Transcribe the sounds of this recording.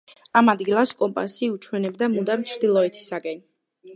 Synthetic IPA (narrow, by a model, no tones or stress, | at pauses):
amad̪ɡilˠaskʼɔmpʼa̰siut͡ʃʰwɛnɛbd̪amud̪amt͡ʃʰɾd̪ilˠɔɛt̪ʰi̥sakʼɛn